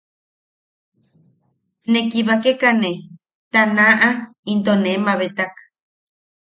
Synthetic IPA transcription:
nekiβakekane | t̪anaʔa | int̪onemaβet̪ak

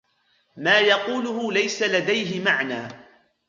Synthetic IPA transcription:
maːjɑquːlʊɦʊlajsalad̪ajɦɪmaʕnaː

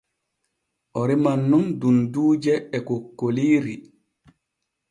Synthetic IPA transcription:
ʔɔɾimanːundunduːd͡ʒɛːkokːoliːɾi

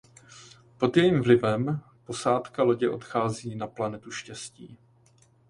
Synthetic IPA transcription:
po̞d̪jɛjiːmvlɪvɛm | po̞saːt̪kalo̞ɟɪʔo̞t̪xaːziːnaplanɛt̪uʃcɛscḭː

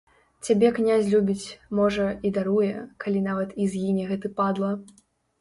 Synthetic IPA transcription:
t͡sʲabʲɛknʲazʲlʲubʲit͡sʲmɔʐɐid̪aɾujɛkalʲinavɐt̪izʲɣinʲɛɣɛt̪ɨpad̪lˠɐ

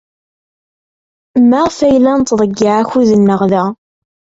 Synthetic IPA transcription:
mːaʁfæjlːænt̪ðˤəɡːɪʕaçuðənːəʁðæ

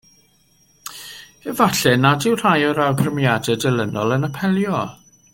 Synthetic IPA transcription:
ɛvaɬɛnadɪwr̥ajɔɾawɡrəmjadɛdɛlˠənɔlˠənəpʰɛlˠjɔ

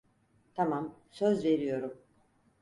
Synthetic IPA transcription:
t̪ʰamamsøzve̞ɾijo̞ɾum

